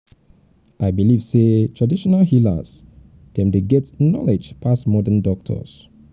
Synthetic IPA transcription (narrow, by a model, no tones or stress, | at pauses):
ʔajbiliv̥setʰɹadiʃɔnalhilə̰z | d̥ɛ̃mdeɡɛtnɔ̰led͡ʒpʰasmɔdəndɔk̚tʰə̰s